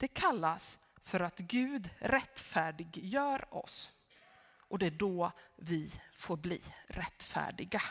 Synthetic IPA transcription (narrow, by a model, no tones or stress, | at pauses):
d̪̥ɛkʰalːas | fœɾat̪ɡʉ̟ːd̪ɾɛt̪ːfæːɖɪɡjœːɾɔ̰s | ʔɔd̪ɛæɖɔvɪfoːɾblḭːɾʔɛt̪ːfæ̰ːɖɪɡa